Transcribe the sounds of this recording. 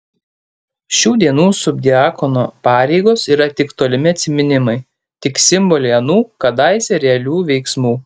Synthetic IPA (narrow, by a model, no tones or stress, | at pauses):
ʃʲuːd̪ʲiɛnuːsʊbʲd̪ʲɪɑːkɔnoːpɑːɾʲɛɪɡoːsiːɾɐt̪ʲɪkt̪oːlʲɪmʲɪɐt̪ʲsʲɪmʲɪnʲɪmɐɪ | t̪ʲɪksʲɪmbɔlʲɛɪɐnuːkɐd̪ɐˑɪsʲɛɾʲɛlʲuːʋʲɛɪksmuː